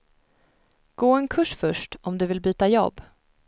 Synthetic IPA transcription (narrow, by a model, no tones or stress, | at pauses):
ɡ̥oːɛnkʰɵʂfœʂʈɔmd̪ɵvɪlbyːt̪ajɔ̰bː